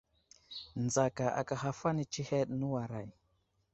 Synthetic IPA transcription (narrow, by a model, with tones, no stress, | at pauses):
nd͡za˨ka˨ʔa̰˨ka˨ɦa˦fa˦ni˦t͡ʃi˦he˦ɗnu˦wa˨ɾa˨j